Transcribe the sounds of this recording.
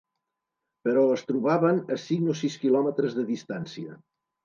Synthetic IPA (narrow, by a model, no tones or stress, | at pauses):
pəɾɔəst̪ɾuβaβənəsiɣnosiskilɔmət̪ɾəzðəðist̪ansiə